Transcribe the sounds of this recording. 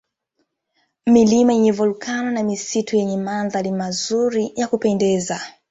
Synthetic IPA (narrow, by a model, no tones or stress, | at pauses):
milimaiɲɛvulukʰananamisitʰujɛɲɛmanðalimazuɾijakupɛndɛːza